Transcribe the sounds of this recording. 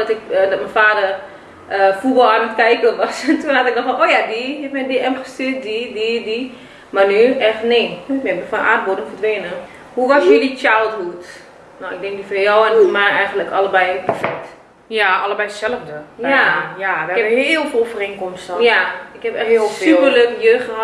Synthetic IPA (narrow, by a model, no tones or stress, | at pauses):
dɔtɪkdɔtmənfaːdər | əfurɔlˠanətkɛjkəlʋɔsɛntunɦatɪk̚dɔxfɔnoːjadiɪfmɛdiɛmxəstyt̚didiːdi | marnyɛxnek̚bɪnəfɔnʔa̰ːt̚bodənfərdʋeːnə | huʋɔsjəlit͡ʃawlˠthuət | noɪk̚dɛŋk̚difəjɔwɛnmaɛjɣəntləkʰaləbɛjpɛrfɛk̚t | jaaləbɛjəsɛləfdəjajaɛəheəlˠfeːlˠfəreːnkɔmstəjaɪkhɛpɛheəlˠfylˠpərløːkjøxəha